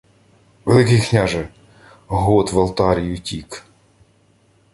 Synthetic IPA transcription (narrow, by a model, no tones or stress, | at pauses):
ʋelˠɪkɪjknʲaʒɛ | ɦɔt̪ʋɐlˠt̪ɑɾʲijʊtʲik